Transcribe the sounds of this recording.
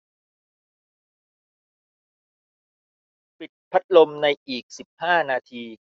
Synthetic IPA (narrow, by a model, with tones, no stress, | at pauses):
pi˨˩t̪̚pʰa˦˥t̪̚lo˧mna˧jʔiː˨˩k̚si˨˩p̚haː˥˩naː˧t̪ʰiː˧